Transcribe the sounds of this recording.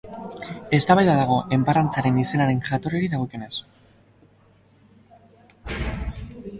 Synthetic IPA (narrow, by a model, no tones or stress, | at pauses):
e̞st̪aβajðaðaɣ̞o̞ʔe̞mpaɾant͡saɾe̞nise̞naɾe̞nʝat̪o̞reɾiðaɣok̪enes